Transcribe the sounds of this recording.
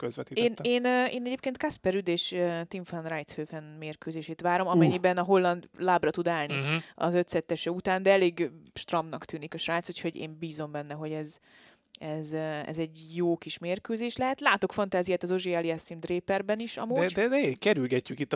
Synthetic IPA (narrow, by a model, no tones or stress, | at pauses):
køzʋɛt̪iteːneːnːeːnɛɟeːp̚keːnt̪̚kaspɛɾyd̪eːʃøt̪iɱfanrajt̪høːfɛnmeːrkøːzeːʃeːt̪ʋaːɾo̞mɒmɛɲːibɛnɒɦo̞lːɒnd̪laːbrɒt̪ud̪aːlniɒ̰zøt̪sɛt̪ːɛʃɛut̪aːnd̪ɛɛleːɡʃt̪rɒmnɒkt̪yːnikɒʃraːt̪sucho̞ɟḛːmbiːzo̞mbɛnːɛɦo̞ɟɛz | ɛzɛ̰zɛɟjoːkiʃmeːrkøːzeːʃlɛɦɛt̪laːt̪o̞kfɒnt̪aːzijaːt̪ɒzo̞ʒeɛliɛsimd̪reːpɛrbɛniʃɒ̰mod̪ɛd̪ɛekɛɾylɡɛcːykit̪ː